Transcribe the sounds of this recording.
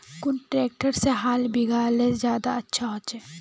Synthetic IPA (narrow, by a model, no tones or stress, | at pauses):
kʊnʈɾeːk̚ʈəɾseɦaːlbiɡaːlezjaːd̪aɐtːʃʰaɦoːt͡ʃɛː